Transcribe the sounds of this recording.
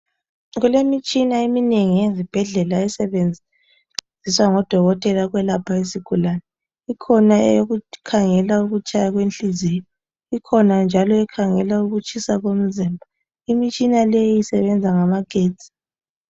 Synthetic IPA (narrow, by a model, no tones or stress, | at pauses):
ɣulemit͡ʃʼinaimineŋijezib̥ʱɛɮɛlaɛsɛβenʱ | iswaŋɔd̥ʱɔɣɔtʼɛlaɣwɛlapʰaesiɡ̥ʱulanɛ | ikʰɔnaɛ̰joɣukʰaŋɛlauɣut͡ʃʼajaɣwent͡ɬizijɔ | ikʰɔnand͡ʒʱalɔɛkʰaŋɛlauɣut͡ʃʰʼisaɣom̩zimbʱa | imit͡ʃʼinalejijisɛβɛnd͡zʱaŋamaɡ̥ʱeːtʰʼi̥